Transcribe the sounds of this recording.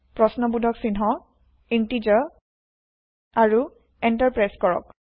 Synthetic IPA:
pɹɔsnɔbudʱɔksinɦɔ | intid͡ʒɔ | aɹu | ɛntaɹpɹajskɔɹɔ̰k

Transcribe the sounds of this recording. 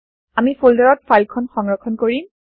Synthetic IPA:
amifuldaɹɔt̚fʰajlkʰɔnxɔŋɹɔkʰɔnkoɹim

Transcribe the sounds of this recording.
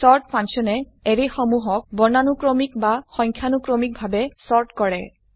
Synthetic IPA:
sɔɹt̚pʰansɔnɛ | eɹexɔmuɦɔk̚bɔnanukɹɔmikbaxɔjŋkʰjanukɹɔmik̚bʱabɛsɔɹtkɔɹɛ

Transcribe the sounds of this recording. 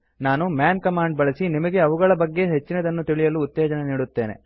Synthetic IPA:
naːnumjaːnkɐmaːɳɖ̚bɐɭɐsinimɐɡe̞ɐʋuɡɐɭɐbɐɡːe̞ɦe̞t͡ʃːinɐd̪ɐnːut̪iɭijɐluːt̪ːɛːd͡ʒɐneniːɽut̪ːeːne̞̰

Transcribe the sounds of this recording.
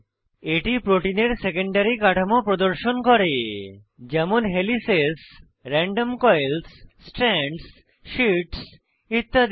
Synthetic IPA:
eʈipɾoʈineɾsekeɳɖaɾikaʈʰamopɾod̪oɾʃonkɔɾe | d͡ʑɛmonɦelises | ɾɛɳɖomkɔjlssʈɾɛɳɖs | ʃiʈs | it̪ːad̪

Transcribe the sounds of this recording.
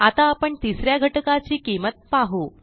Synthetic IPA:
at̪aːpəɳt̪isɾjaɡʱəʈkat͡ɕiːkimət̪̚paɦo

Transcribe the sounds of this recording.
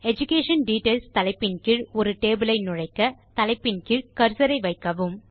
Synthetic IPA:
ɛd͡ʒʊkeːʂɐnɖiːʈeːlst̪ɐlɐɪpːɪnkɪɻɔɾɯʈeːbɯlɐɪnʊɻɐɪkːɐt̪ɐlɐɪpːɪnkɪɻkɐɾsɐɾɐɪʋɐɪkːɐʋɯm

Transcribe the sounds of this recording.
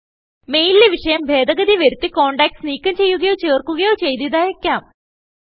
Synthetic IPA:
me̞jlːeʋiʂɐjɐmbʱe̞ːd̪ɐɡɐd̪iʋɐɾut̪ːikoːɳɖaːkʈsniːkʲːɐmt͡ɕe̞jːuɣɐjo̞ːt͡ɕeːrkːuɣɐjo̞ːt͡ɕe̞jt̪iðaːjekʲːaːm

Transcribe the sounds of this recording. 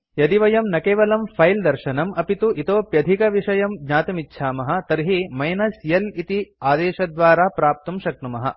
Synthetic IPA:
jɐd̪iʋɐjɐmnɐkeːʋɐlɐmpʰɐjld̪ɐɾʃɐnɐmɐpit̪uʔit̪oːpjɐd̪ʱikɐʋiʂɐjɐmɡɲaːt̪ɐmitːʃʰaːmɐɦɐ̆t̪ɐɾɦimɐjnɐsjɐlit̪iaːd̪eːʃɐd̪ʋaːɾaːpɾaːp̚t̪umʃɐk̚ɳumɐɦɐ̰

